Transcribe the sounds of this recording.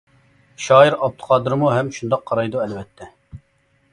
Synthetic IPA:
ʃɑːjiɾɑp̚t̪ʰə̥qʰɑːd̪ɨɾmuɦɛmʃund̪ɑqʰːɑɾɑjd̪uɛlvɛt̪ʰːɛ

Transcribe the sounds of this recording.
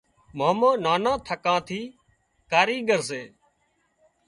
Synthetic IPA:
maːmãːnaːnãːt̪ʰəkãːt̪ʰiː | kaːɾiːɡəɾseː

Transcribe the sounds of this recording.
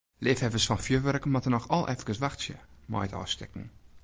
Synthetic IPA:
lɪfhɛvəsfɔnfjøʋœrkəmatənɔxɔlˠʔɛfkəsʋaxsjə̰mɔ̰jtɔ̰ːstɛ̰kŋ̩

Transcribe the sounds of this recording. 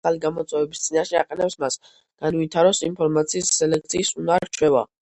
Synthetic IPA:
aliɡamɔt̪sʼɛvɛbist̪sʼinaʃɛa̰qʼɛnɛpsmas | ɡ̥anvit̪ʰaɾɔsinpʰɔɾmat̪sʰiːsːɛlɛk̚ʰt̪sʰiːsunaɾt͡ʃʰwɛva̰

